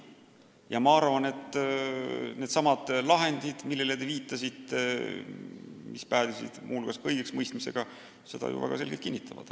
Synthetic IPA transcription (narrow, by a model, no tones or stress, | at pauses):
jɑmɑɑrvɑne̞t̪ˑː | ne̞ːd̪sɑmɑd̪̥lɑɦe̞nd̪̥id̪̥milːelet̪eviːt̪ˑːɑsit̪ːˑe | mispæːd̪isḭd̪̥mʔulkɑskɤjɡ̥eksmɤjst̪mise̞̰ɡ̥ɑ | se̞d̪̥ɑ̰jṵvæ̰ɡ̥ɑ̰se̞lɡelt̪kinʲːit̪ʰːˑɑvɑ̰d̪̥